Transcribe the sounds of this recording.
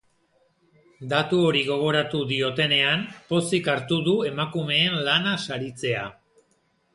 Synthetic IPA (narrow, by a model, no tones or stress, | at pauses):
d̪at̪uo̞ɾiɣ̞o̞ɣ̞o̞ɾat̪uðio̞t̪e̞ne̞ampo̞sikaɾt̪uðue̞makume̞ːnlanasaɾit͡se̞a̰